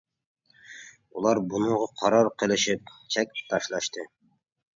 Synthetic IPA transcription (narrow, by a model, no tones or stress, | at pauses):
ulˠɑɾbunuʁɑqʰɑɾɑɾqʰə̆lˠɘ̆ʃɪp̚t͡ʃʰæk̚ʲt̪ʰɑʃlˠɑʃt̪ɨ